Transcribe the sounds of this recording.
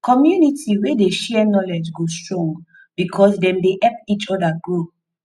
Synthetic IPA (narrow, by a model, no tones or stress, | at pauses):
kɔmjunitʰiwedeʃɛnɔlɛd͡ʒɡostɹõ | b̥ikʰɔsdɛ̃mdeʔɛp̚it͡ʃɔdaɡɹu